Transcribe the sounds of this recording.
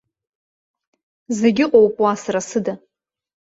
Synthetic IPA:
zeɡʲɪqʼowpʼwasaɾasɨda

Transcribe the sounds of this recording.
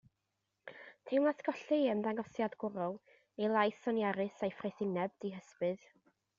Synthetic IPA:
tʰewmaθɡ̥ɔɬɨəmdaŋɡɔsjadɡ̥ʊɾɔlˠ | ejlˠajθɔnjaɾɨsajfrejθɪnɛb̚d̥iɦəspɨð

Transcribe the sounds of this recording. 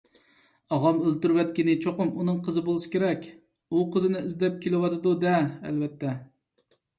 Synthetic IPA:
ɑʁɑmølt̪yɾwɛt̪̚kʲinɪt͡ʃʰoqʊmunɨŋqʰəzɨbolˠɨʃɪ̥kʲʰeɾɛkʲ | uqʰəzɨnɪizd̪ɛp̚kʲʰelɪwɑt̪ɨd̪ud̪ɛɛ̰lvɛt̪ːɛ

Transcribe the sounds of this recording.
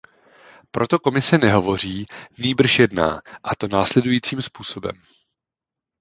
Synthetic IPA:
pɾo̞t̪o̞ko̞mɪsɛnɛɦo̞vo̞r̝iːniːbr̩ʃjɛdna̰ːʔat̪o̞naːslɛdujiːt͡siːmspuːso̞bɛ̰m

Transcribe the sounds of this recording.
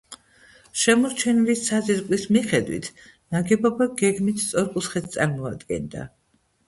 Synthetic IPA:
ʃɛmɔɾt͡ʃʰɛnvissaziɾkʼlismiχɛd̪wḭt̪ʰ | naɡɛbɔbaɡɛɡmit̪ʰt̪sʼɔɾkʼut̪sχɛt̪̚ʰt̪sʼaɾmɔa̰d̪ɡɛ̰nd̪a̰

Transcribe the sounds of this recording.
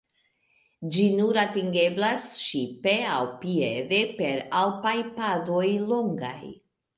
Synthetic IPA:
d͡ʒinuɾatiŋɡe̞blasʃipe̞awpiede̞pe̞ɾalpajpadojloŋɡa̰j

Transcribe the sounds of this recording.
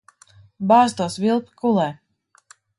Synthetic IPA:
baːst̪uɔsvʲilˠpʲi̥kulˠɛː

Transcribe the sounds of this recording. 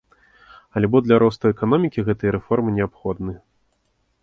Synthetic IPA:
alʲbɔd̪lʲaɾɔst̪ɐɛkan̪ɔmʲikʲiɣɛt̪ɨjɐɾɛfɔrmɨnʲɛapxɔd̪nɨ

